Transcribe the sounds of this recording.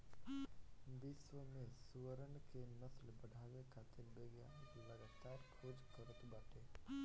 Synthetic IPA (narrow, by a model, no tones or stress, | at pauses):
bisʋəmẽsuʋəɾəɳkenəslbəɖʱaʋekʰat̪ɪɾbeɡjaləɡat̪aɾkʰoːd͡ʒkəɾət̪baʈʰe